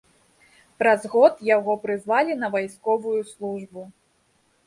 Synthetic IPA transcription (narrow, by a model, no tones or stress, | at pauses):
pɾɐzɣɔt̪jaɣɔpɾɨzvalʲinɐvajskɔvujuslˠuʐbu